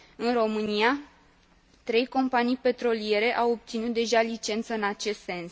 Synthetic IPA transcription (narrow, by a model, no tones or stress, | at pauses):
ɨnro̞mɨnija | t̪ɾe̞jko̞mpanijpe̞t̪ɾo̞lie̞ɾe̞ʔawo̞p̚t̪sinut̪̚d̪e̞ʒalit͡ʃe̞nt̪səɨnat͡ʃe̞st̪se̞ns